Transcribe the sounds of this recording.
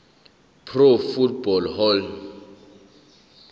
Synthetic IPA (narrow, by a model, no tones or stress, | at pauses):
pʰrofut̚bɔlhɔl